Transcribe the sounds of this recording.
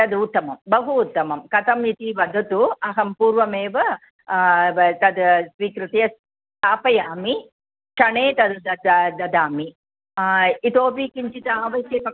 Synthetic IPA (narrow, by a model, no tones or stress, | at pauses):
ɐd̪ut̪ːɐmɐmbɐɦuːt̪ːɐmɐmkɐt̪ɐmit̪iʋɐd̪ʱːɐt̪uɐɦɐmpuːɾʋɐmeːʋɐ | t̪ɐd̪sʋiːkɾɨt̪ɐjɐs | t̪aːpɐjaːmi | ʃɐɳeːt̪ɐd̪d̪ɐd̪d̪ɐd̪aːmi | it̪oːpiːkiɲt͡ʃit̪ɐaːʋɐsjɐkɐ